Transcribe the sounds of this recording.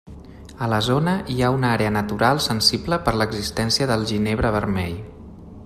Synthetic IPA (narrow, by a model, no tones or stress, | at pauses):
ələzonəʔiaunaɾeənət̪uɾalˠsənsibləpəɾləɡzist̪ɛnsiəðəlˠʒineβ̞ɾəβ̞əɾmɛʎ